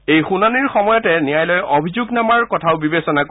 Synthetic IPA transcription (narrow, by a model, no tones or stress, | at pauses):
ejxunaniɹxɔmɔjɔtɛnijajlɔjobʱizuɡnamaɹkɔtʰaʊbibesɔnak